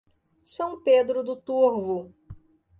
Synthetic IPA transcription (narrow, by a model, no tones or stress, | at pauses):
sɐ̃w̃ped̪ɾʊd̪ʊt̪uɾvʊ